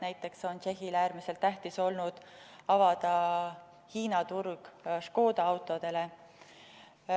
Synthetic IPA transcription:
næjt̪ːˑe̞kso̞nt͡ʃe̞ɦilæːɾmise̞lt̪ːæht̪iso̞lnud̪̥ɑvɑd̪̥ɑ | hiːnɑt̪urɡ̥ʃko̞ːd̪̥ɑɑwt̪ːˑo̞d̪̥e̞le̞

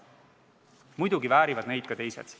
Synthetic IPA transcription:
mujd̪̥uɡivæːɾivɑd̪ne̞jd̪̥kɑt̪e̞jsḛd̪̥

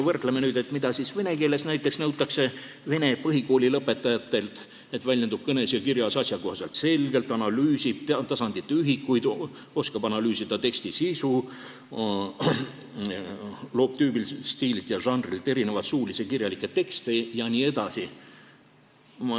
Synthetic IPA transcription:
vɤrt̪lemenyːd̪̥e̞t̪ːmid̪ɑsisve̞ne̞ke̞ːle̞snæjt̪ːˑe̞ksnɤwt̪ˑːɑkse̞ | ve̞ne̞pɤɦiko̞ːlʲilɤpːe̞t̪ːˑɑjɑt̪ːˑe̞lt̪ | et̪vælʲjed̪ub̥̚kɤne̞sjɑkirjɑsɑsʲjɑko̞hsɑlt̪se̞lɡ̥e̞lt̪ːˑɑnɑlyːsib̥tt̪ɑsɑnd̪̥it̪ːeyɦikːˑujd̪ | o̞skɑbɑnɑlyːsid̪̥ɑt̪e̞kst̪isisu | lo̞ːp̚t̪yːbilst̪iːlit̪jɑʒɑnd̪rilt̪ːˑe̞ɾine̞vɑt̪suːlisekirjɑlikːˑet̪ːe̞kst̪ejɑnʲiːe̞d̪̥ɑsi | mɑ

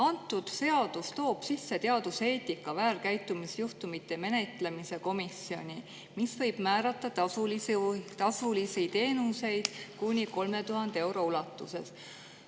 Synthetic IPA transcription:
ɑnt̪ːˑud̪̥se̞ɑd̪̥ust̪o̞ːb̥sisːe̞t̪e̞ɑd̪̥use̞ːt̪ˑikːˑɑvæːlkæjt̪ːumisjuht̪umit̪ːˑe̞me̞ne̞t̪le̞mise̞ko̞misio̞̰nʲi | misvɤ̞jb̥mæːɾɑt̪ːˑɑt̪sult̪ɑsulisijt̪e̞ːnuse̞jd̪̥kunʲiko̞lme̞t̪uɦɑnd̪e̞wɾo̞ulɑt̪ˑːuse̞̰s

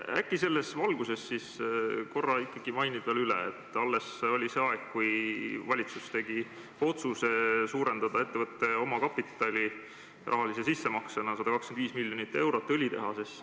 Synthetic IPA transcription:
æ̰kːˑise̞lːe̞svɑlɡuse̞sːisko̞rːɑikːɑɡ̥imɑjnib̥veːlylɛ̰ḛt̪ːˑɑlːe̞solʲiseːɑe̞kkːujvɑlʲit̪sust̪e̞ɡ̥i | o̞t̪suse̞suːɾe̞nd̪̥ɑd̪ɑe̞t̪ːe̞vɤt̪ːˑe̞o̞mɑkɑpːˑit̪ːˑɑlʲi | rʔɑ̰ɦɑlis̬e̞sisːe̞mɑksenɑsɑd̪̥ɑkɑkskend̪viːsmilʲːjo̞nit̪ːˑe̞wɾo̞t̪ːˑolʲit̪e̞̰ɦɑsis

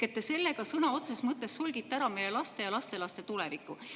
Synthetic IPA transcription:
et̪ːese̞lːe̞ɡ̥ɑsɤnɑo̞t̪sesmɤt̪ˑːe̞sːulɡit̪ːeæɾɑme̞je̞lɑst̪e̞jɑlɑst̪elɑst̪e̞t̪ulevikːˑu

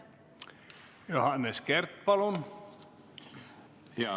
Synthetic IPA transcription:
johanːeskɛɾt̪̚palun

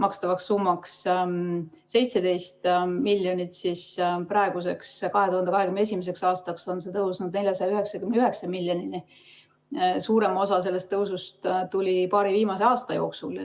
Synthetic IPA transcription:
mɑkst̪ɑvɑksːumːɑks | se̞jt̪se̞d̪ejst̪milʲːjonʲit̪sisprɑe̞ɡ̥use̞kskɑɦe̞t̪uhɑnd̪ekɑɦekymnesʲimese̞ksɑːst̪ɑkso̞nse̞t̪ɤwsnud̪ne̞lʲjɑsɑjɑyɦe̞ksɑkymneyɦe̞ksɑmilʲjonini | suːɾe̞mo̞sɑs̬e̞lːe̞st̪ːɤwsust̪t̪ulʲipɑːɾiviːmɑseɑːst̪ɑjo̞ːksul

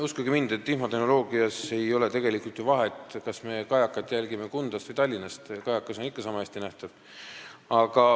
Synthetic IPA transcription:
uskuɡimind̪̥e̞t̪ːihmo̞t̪eno̞lo̞ːɡ̥iɑse̞jo̞le̞t̪e̞ɡ̥e̞likult̪juvɑɦe̞t̪ˑkɑsme̞kɑjɑkːˑɑt̪ːˑjælɡime̞kund̪̥ɑst̪vɑɯjt̪ɑlʲːinɑst̪kɑjɑkːˑɑso̞nikːˑɑsɑmɑest̪inæht̪ɑv̥ | ɑɡ̥ɑ

